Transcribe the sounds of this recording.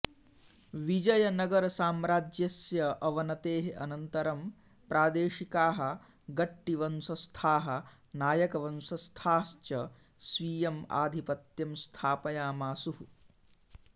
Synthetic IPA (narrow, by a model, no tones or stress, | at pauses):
ʋid͡ʒɐjɐnɐɡɐɾɐsaːmɾaːd͡ʒjɐsjɐʔɐʋɐnɐt̪eːɦeɐnɐnt̪ɐɾɐm | pɾʔaːd̪eːʃikaːɦɐ̆ | ɡɐʈːiʋɐnsɐst̪ʰaːɦɐ | naːjɐkɐʋɐnsɐst̪ʰaːst͡ʃɐ | sʋiːjɐma̰ːd̪ʱipɐt̪jɐmst̪ʰaːpɐjaːmaːsuɦu